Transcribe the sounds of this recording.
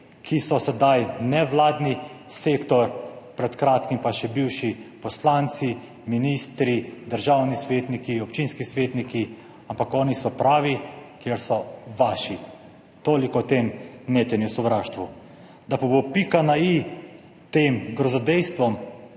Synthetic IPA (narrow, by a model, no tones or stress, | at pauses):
kʰisɔsɛd̪ajnɛʋlaːd̪ni | seːkt̪ɔɾpɾɛt̪kɾaːt̪kimpaʃɛbiwʃipɔslaːnt̪si | minist̪ɾid̪əɾʒawnisʋeːt̪nikiɔpt͡ʃinskisʋeːt̪niki | ampakɔːnisɔpɾaːʋikjeɾsɔʋaːʃi | t̪oːlikɔt̪emneːt̪ɛniwsɔʋɾaːʃt̪ʋu | d̪apɔbopikanai | t̪eːmɡɾɔzɔd̪ɛjst̪ʋɔm